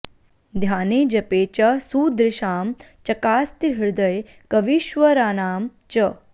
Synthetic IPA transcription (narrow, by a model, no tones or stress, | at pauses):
d̪ʱjaːneːd͡ʒɐpeːt͡ʃɐsuːd̪ɾɪʃaːm | t͡ʃɐkaːst̪iɦiɾd̪ɐj | kɐʋiʃʋɐɾaːnaːmt͡ʃɐ